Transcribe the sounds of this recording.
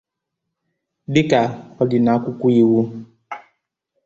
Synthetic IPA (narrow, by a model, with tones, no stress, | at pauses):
dɪ˦ka˨ɔ˦dɪ˨na˨˦kʷʊ˦kʷu˦i˦wu˦